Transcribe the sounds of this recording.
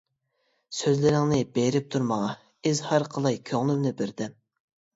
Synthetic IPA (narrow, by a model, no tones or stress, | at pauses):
søzlɪɾɪŋnɪbeɾɪp̚t̪ʰuɾmɑŋɑ | ɪzhɑɾqʰəlˠɑjkʲʰøŋlˠymnɪbɪɾd̪ɪm